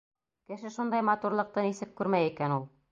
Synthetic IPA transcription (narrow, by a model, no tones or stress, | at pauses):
kɘ̆ʃɘʃund̪ɑjmɑt̪uɾlˠɤ̆q̚t̪ɤnisɘkːʉɾmæjikænulˠ